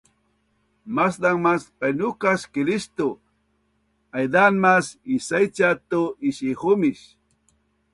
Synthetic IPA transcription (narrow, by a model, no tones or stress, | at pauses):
masd̪aŋmaspajnʊkaskɪɾist̪o | ajd̪anmasisajt͡ʃat̪oiʃixʊmiʃ